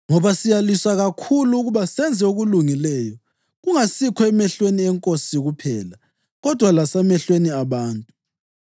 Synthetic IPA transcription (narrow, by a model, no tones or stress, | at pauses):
ŋɔβasijaliswaɣakʰuluːɣuβasɛnd͡zʱɛuɣuluŋilɛjɔ | ɣuŋasikʰɔɛmɛɬweniɛŋkʼosiɣupʰɛːla | ɣɔd̥ʱwalasamɛɬweniaβaːntʼu